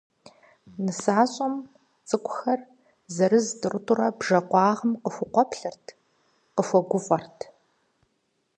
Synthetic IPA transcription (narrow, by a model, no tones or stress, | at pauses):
nɨsaːɕʼɐm | t͡sʼɨkʷʼʊxɐr | zɐrɨzdɨrʊtʼʊrɐbʒɐqʷɑːʁəmqəxʷʊqʷɔpʰɬɨrtʰ | qəfʷɔɡʷʊfʼɐrtʰ